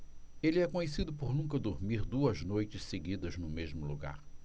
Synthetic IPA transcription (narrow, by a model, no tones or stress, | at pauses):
elɪɛkõɲesid̪ʊpoɾnũkɐd̪oɾmiɾd̪uɐznojt͡ʃɪsseɡid̪ɐznʊmezmʊlṵɡa̰ɾ